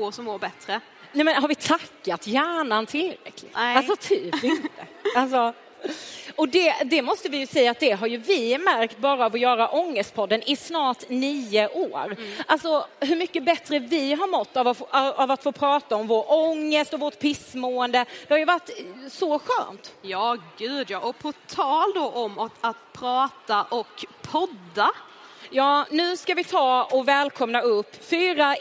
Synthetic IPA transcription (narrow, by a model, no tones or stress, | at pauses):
osɔmmoːɾbɛt̪ɾə | nɛmɛnɦaɾvɪt̪ʰakːat̪jæːɳant̪ʰɪlɾɛ̰kʰlɪ̰ɡalsɔt̪ʰyːpɪnt̪əals̬ɔ | ɔd̪ɛd̪ɛmɔst̪əvɪjɵsɛjːaːt̪̚d̪ɛɦaɾjɵvɪmæɾkt̪̚bɑːɾaːvɔjœːɾaʔɔŋːəst̪̚pʰɔd̪ːənɪsnɑːʈniːəʔoːɾʔalsɔɦɵ̟ɾmʏkːəbɛt̪ɾəvɪɦaɾmɔt̪ːavaavat̪foːpʰɾɑːt̪aɔmvoːɾɔŋːəst̪ɔvoːʈpʰɪsmoːənd̪əd̪̥ɛhajɵvaʈːsɔɧø̰ːnt̪jɑːɡʉ̟ːd̪jɑːʔɔpʰɔt̪ʰɑːld̪oʔɔmɔat̪̚pʰɾɑːt̪aʔɔkpʰɔd̪ːa | jɑːnʉ̟ːskavɪt̪ʰɑːɔvɛːlkʰɔmnaɵpːfyːɾa